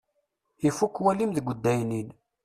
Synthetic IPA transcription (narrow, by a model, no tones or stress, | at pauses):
ifukːwælimðɡʷəd̪ːæjnin